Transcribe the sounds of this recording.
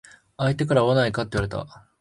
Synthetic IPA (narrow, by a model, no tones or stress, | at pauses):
ait̪e̞kaɾaoβanaikat̪ːeiβaɾe̞t̪a̰